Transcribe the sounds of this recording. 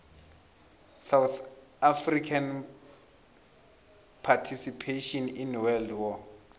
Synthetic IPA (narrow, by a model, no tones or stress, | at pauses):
sawθafrikʰan | pʰatʰisipʰeʃɔninwɛldwɔ